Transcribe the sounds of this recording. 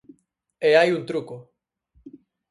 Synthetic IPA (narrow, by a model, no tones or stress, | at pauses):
eajunt̪ɾuko